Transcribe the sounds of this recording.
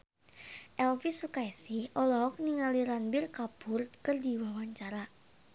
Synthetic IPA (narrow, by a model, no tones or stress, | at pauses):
ʔɛlfisukajsɪhʔɔlɔɦɔk̚niŋaliɾanbirkab̥ʊrkərdiwawaɲt͡ʃaɾa